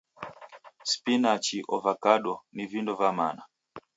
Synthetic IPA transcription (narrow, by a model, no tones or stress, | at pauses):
spinat͡ʃiʔɔvakaɗɔnivindɔvama̰na